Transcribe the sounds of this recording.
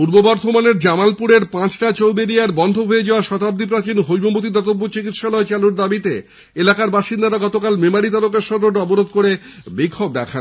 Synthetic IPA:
puɾbobɔɾt̪ʰomaneɾd͡ʑamalpuɾeɾpãt͡ɕʈat͡ɕowbeɾijaɾbɔnd̪ʱoɦoejed͡ʑaoaʃɔt̪ab̚d̪ip̬ɾat͡ɕinɦojmomot̪̬id̪ɔt̪obːot͡ɕikit̪ʃalɔet͡ɕaluɾd̪abit̪e | elakaɾbaʃind̪aɾaɡɔt̪okalmemaɽit̪aɾokeɾʃɔd̪ɾoɔboɾod̪koɾebikʰːob̚d̪ɛkʰan

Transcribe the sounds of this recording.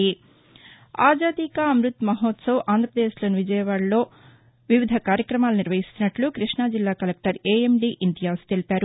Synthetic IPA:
i | aːd͡ʒaːd̪ikɐɐmɾut̪mɐɦɔːt̪sɐwʔaːnd̪ɾɐpɾɐd̪eːʃloːniʋid͡ʒɐjɐʋaːɽɐlo̞ː | ʋiʋid̪ʱɐkaːɾjɐkɾɐmaːluniɾʋɐɦist̪unɐʈlukɾiʂɳaːd͡ʒilːaːkɐlek̚ʈɐɾeːemɖiːʔind̪ijaːsu̥t̪e̞lipaːɾu

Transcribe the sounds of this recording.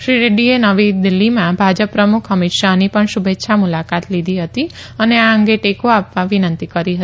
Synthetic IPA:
ʃɾiɾeɖienəʋid̪ilːimãbʱad͡ʒəpːɾəmukʰəmɪt̪ʃanipəɳʃubetːʃʰamulakat̪lid̪ʱiɦət̪iəneaəŋɡeʈekoapʋãʋinə̃nt̪ikəɾiɦə

